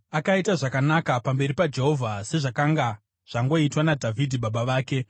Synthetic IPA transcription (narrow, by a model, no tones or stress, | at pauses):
akaitaʐakanakapambe̞ɾipad͡ʒe̞ɦo̞vʱase̞ʐakaŋɡa | ʐ̥aŋɡo̞itwanadʱavʱidʱiɓaɓaʋaːke̞